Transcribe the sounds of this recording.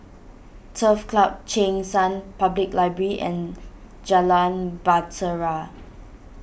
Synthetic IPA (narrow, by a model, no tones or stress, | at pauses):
tʰəfklap̚t͡ʃẽŋsãnpabliklaɪbɹəɹiʔɛ̰̃n | d͡ʒalãnbatəɹa